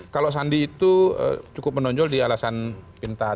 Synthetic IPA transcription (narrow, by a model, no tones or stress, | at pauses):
kalos̬andiːt̪uə̰t͡ʃukʊp̚mənɔɲd͡ʒɔldialasanpint̪a